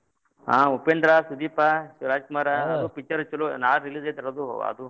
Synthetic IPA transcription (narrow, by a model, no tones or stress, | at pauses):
ã̰ːupend̪ɾasud̪iːpaʃuʋɾaːd͡ʒkumaːɾaɐd̪upit͡ʃːɐɾɐt͡ʃːɐlunaːɭɾiliːd͡ʒɐt̪ɐɾɐd̪uɐ̰d̪u